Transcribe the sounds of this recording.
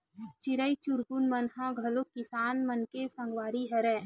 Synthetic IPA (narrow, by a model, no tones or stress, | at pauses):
t͡ʃɪɾəit͡ʃʊɾɡʊnmənɦãɡʱɐlokɪsaːnmənkesə̃ŋɡwaːɾiɦɐɾɛː